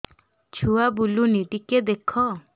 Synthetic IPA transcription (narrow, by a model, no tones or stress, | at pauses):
t͡ʃʰuabuluniʈiked̪ekʰɔ